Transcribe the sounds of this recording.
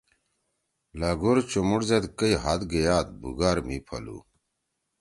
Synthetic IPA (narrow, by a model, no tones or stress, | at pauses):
laɡoɾt͡ɕomuɽzɐd̪kɐjɦat̪ɡejaːt̪̚bṵɡaːɾmipʰɐ̰lṵː